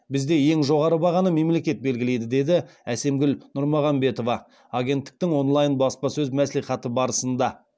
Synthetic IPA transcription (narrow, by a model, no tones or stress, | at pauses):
bɪzd̪e̞je̞ŋʒo̞ʁɑɾəbɑʁɑnəme̞mle̞kʲe̞t̪̚be̞lɡʲɪle̞jd̪ɪd̪e̞d̪ɪæse̞mɡʲɪlnʊɾmɑʁɑmbe̞t̪o̞vɑː | ɡʲe̞nt̪ːɪk̚t̪ɪŋwo̞nlˠɑjənbɑspɑsɵzmæsliχɑt̪əbɑɾəsənd̪ɑ